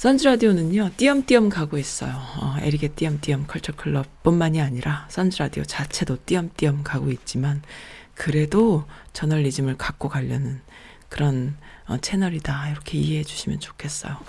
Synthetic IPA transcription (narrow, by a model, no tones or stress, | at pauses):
sʰʌnd͡ʑɯɾadionɯɲot͈iʌmt͈iʌmkaɡois͈ʌ̰joʌe̞̰ɾiɡe̞t͈iʌmt͈iʌmkʰʌɭt͡ɕʰʌɭkʰɯɭːʌp̚p͈unmaɲiaɲiɾʔas͈ʰʌnd͡ʑɯɾadiot͡ɕat͡ɕʰe̞dot͈iʌmt͈iʌmkaɡoit̚t͡ɕ͈imankɯɾe̞dot͡ɕʌnʌɭːid͡ʑimɯɭkak̚k͈okaʎːʌnɯn | kɯɾʌnʌ̰t͡ɕʰe̞nʌɾidaiɾʌkʰe̞iɦeɦed͡ʑu̥ɕʰimjʌnt͡ɕo̥kʰe̞s͈ʌ̰jo